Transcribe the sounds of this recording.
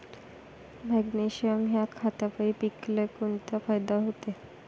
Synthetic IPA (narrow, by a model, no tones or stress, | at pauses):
mɛɡniɕiəmɦjakʰːat̪apaipiklekont̪afajd̪aɦot̪e